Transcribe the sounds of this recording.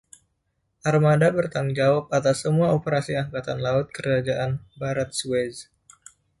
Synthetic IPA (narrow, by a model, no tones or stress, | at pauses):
ʔarmadabərt̪aŋd͡ʒawap̚at̪asːəmuaopəɾasiaŋkat̪anlaʊt̪̚kəɾad͡ʒaʔanbaɾat̪̚suɛz